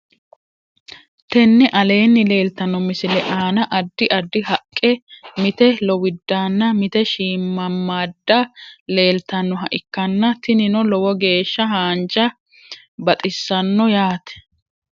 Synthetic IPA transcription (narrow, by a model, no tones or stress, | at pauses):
t̪ɛnːɛʔɐle̞ːnːɪle̞ːlt̪ɐnːɔmɪsɪlɛʔaːnɐʔɐd̪ːɪʔɐd̪ːɪɦɐkʼːɛmɪt̪ɛlɔwɪd̪ːaːnːɐmɪt̪ɛʃiːmːɐmːaːd̪ːɐle̞ːlt̪ɐnːɔɦɐʔɪkːɐnːɐt̪ɪnɪnɔlɔwɔɡe̞ːʃːɐɦaːnd͡ʒɐ | bɐt̪ʼɪsːɐnːɔjaːt̪ɛ̥